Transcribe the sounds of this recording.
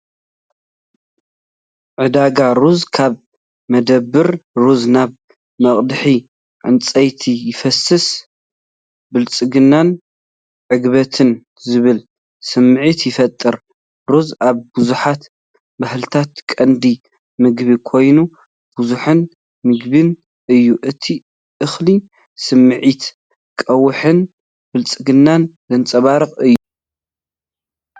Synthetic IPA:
ʕɨd̪aɡaɾuzkʰaβ | mɐd̪ɐbːɨɾɾuznaβ | mɐχʼd̪ɨħi | ʕɨ̰nt͡sʼɐjt̪ʰijɪfɐsɨs | bɨlt͡sʼɨɡɨnːan | ʕɨɡβɐt̪ʰɨn | zɨβɨl | sɨmʕit̪jɪfɐt̪ʼːɨɾ | ɾozaβbuzuħat̪ | bahlɨt̪ʰat̪kʼɐnd̪i | mɨɡβikʰo̞jnu | b̥uzuħɨn | mɨɡβɨn | ʔɨjːuʔɨt̪ʰi | ʔɨxli | sɨmːɨʕit̪ | kʼɐwɨħɨn | b̥ɨlt͡sʼɨɡɨnːanzɨnt͡sʼɐβaɾɨχʼɨjːu

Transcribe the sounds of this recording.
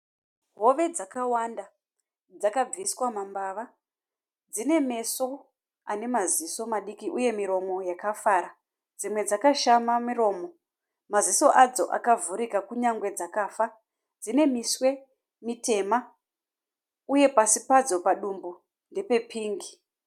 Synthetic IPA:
ɦo̞ʋe̞d͡zakawanda | d͡zakab͡viswamambaʋa | d͡zine̞me̞so̞ | ane̞maziso̞maɗikiʔuje̞miɾo̞mo̞jakafaɾa | d͡zimwe̞d͡zakaʃamamiɾo̞ːmo̞ | maziso̞ʔad͡zo̞̰ʔa̰kavuɾikakuɲaŋɡwe̞d͡zakaːfa | d͡zine̞miswe̞ | mite̞ma | uje̞pasipad͡zo̞paɗumbu | nde̞pe̞pʰiːŋɡi

